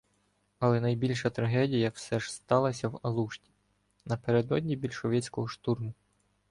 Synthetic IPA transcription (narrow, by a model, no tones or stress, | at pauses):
ɐlˠɛnɐjbʲilʲʃɐt̪ɾɐɦɛdʲijɐwsɛʒ̥st̪ɑlˠɐsʲɐwɐlˠuʃtʲi̥ | nɐpeɾed̪ɔdʲnʲibʲilʲʃɔʋʲɛt͡sʲkɔɦɔʃt̪urmʊ